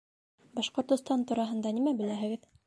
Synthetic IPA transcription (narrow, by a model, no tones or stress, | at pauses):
bɑʃqŏɾt̪ɤ̆st̪ɑnt̪uɾɑɦɤ̆nd̪ɑnimæbɘ̆læɦɘ̆ɡɘð